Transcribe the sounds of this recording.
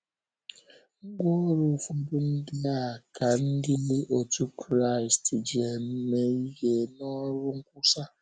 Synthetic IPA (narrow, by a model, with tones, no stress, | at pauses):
ŋ̩˦ɡ͡bo˦ɾʊ˦˨fu˨bʊ˦n̩˦dɪ˦a˦˨ka˨n̩˦dɪ˦le˦ʔo˨tu˦kɾa˦˨i˨sti˨d͡ʒi˨e˨me˨i˦je˨nɔ˦ɾʊ˦ŋ̩˦ku˦sa˦